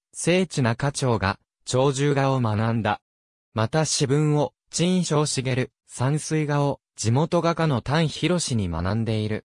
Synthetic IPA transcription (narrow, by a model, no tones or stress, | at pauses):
se̞ːt͡ɕinakat͡ɕo̞ːɡa̰ | t͡ɕo̞ːʑɨːɡaomanãnd̪a | mat̪aɕibɯ̟̃ɰ̃o̞ | t͡ɕĩɕo̞ːɕiɡe̞ɾɯ̟ | sãɰ̃sɨiɡao̞ | d͡ʑimo̞t̪o̞ɡakano̞t̪ãɰ̃çiɾo̞ɕiɲ̟ima̰nãnd̪e̞iɾɯ̟̰